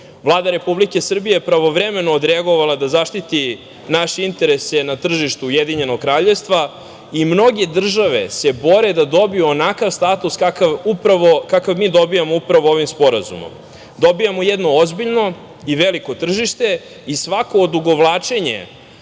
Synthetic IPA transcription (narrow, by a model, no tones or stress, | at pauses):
vlˠaːd̪aɾe̞publike̞sr̩bijepɾaʋo̞ʋɾeme̞noːd̪ɾeaɡo̞ʋalˠad̪azaʃt̪it̪i | naʃeint̪e̞ɾe̞se̞nat̪r̩ʒiʃt̪uujed̪iɲe̞noɡ̚kɾaːʎe̞vst̪ʋa | imno̞ɡe̞d̪r̩ʒaʋe̞̰se̞bo̞ɾe̞d̪ad̪o̞bijuonakaʋst̪at̪uskakavupɾaʋokakavmiːd̪o̞bijamoupɾaʋooʋimspo̞ɾa̰zṵmo̰m | d̪o̞bijamojɛd̪no̞ozbiʎno̞ | iʋeliko̞t̪r̩ʒiʃt̪e̞ | isʋako̞ːd̪uɡo̞ʋlˠaːt͡ʃe̞ɲḛ